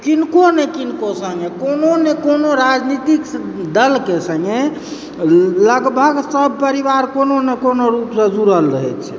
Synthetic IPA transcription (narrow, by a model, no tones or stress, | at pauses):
kinkonɛkinkosə̃ŋɡekononɛkonoɾad͡ʒnit̪ik | d̪əlkesə̃ŋɡe | ləɡbʱəɡsəbʱpəɾibaɾkononekonoɾupsə̃d͡ʒuɾəlɾəɦɛt͡ʃʰɛ